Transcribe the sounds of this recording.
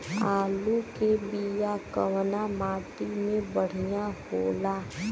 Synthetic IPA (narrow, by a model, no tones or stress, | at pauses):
aːlukebijakə̰wnamaːt̪imẽbəɽ̤ijahoːlaː